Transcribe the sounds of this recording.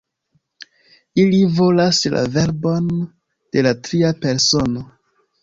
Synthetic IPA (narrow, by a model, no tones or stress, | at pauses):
ilivo̞lasla̰ve̞ɾbo̞n | d̥e̞latɾiape̞ɾso̞no̞